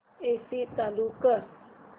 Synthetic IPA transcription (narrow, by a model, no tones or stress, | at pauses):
esit̪alukə